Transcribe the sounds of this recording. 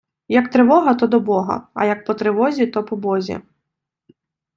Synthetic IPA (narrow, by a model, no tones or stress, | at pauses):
jɐkt̪ɾɪʋɔɦɐt̪ɔd̪ɔbɔɦɐ̰ɐ̰jɐk̚pɔt̪ɾɪʋɔzʲit̪ɔpɔbɔzʲḭ